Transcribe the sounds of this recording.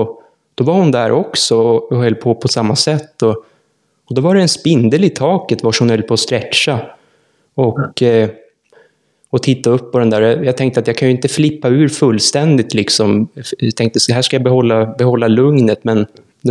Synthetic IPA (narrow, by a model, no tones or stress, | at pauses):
ɔ | d̪̥ɔvaɾhʊnd̪æɾʔɔksɔɔːhœlːpʰoːpʰɔsamːasɛt̪ːɔ | ɔd̪ɔvaɾɛɛnspɪnd̪əlɪt̪ʰɑːkət̪vaʂhʊnhœlːpʰoːst̪ɾɛt͡ʃːa | ɔk | ɔt̪ʰɪt̪ːaɵpːɔd̪ɛnd̪æːɾjjɑt̪ʰɛŋk̚t̪əat̪jɑːkʰanjɵɪnt̪əflɪpːaʉ̟ːɾfɵlːst̪ɛnd̪ɪt̪lɪksɔmt̪ʰɛŋk̚t̪əsɛɦæːʂkajabɛhɔlːabɛhɔlːalɵŋnət̪mɛn